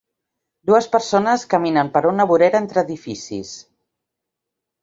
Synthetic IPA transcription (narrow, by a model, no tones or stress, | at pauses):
d̪uəspəɾsonəskəminəmpəɾunəβuɾeɾent̪ɾəðifisḭs